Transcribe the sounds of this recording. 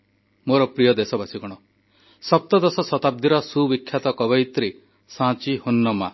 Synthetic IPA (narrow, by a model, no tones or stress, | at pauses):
moɾɔpɾijɔd̪esɔbasiɡɔɽ̃ɔ | sɔp̚t̪ɔd̪ɔsɔsɔt̪ab̚d̪ʱiɾɔsubikʰːjat̪ɔkɔβɔjt̪ɾi | sãt͡ʃihonːɔma